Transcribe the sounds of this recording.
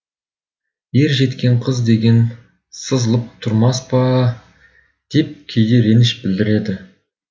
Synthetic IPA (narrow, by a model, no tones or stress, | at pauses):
je̞ɾʒe̞t̪kʲe̞ɴqʰəzd̪e̞ɡʲe̞n | səzəlˠəp̚t̪ʰʊɾmɑspɑ | d̪̥e̞p̚kʲʰejd̪eɾe̞nɪʃbɪld̪ɪɾe̞d̪ɪ